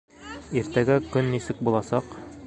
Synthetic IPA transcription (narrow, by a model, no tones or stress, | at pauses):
iɾt̪æɡækɵnːisɘk̚bulˠɑsɑq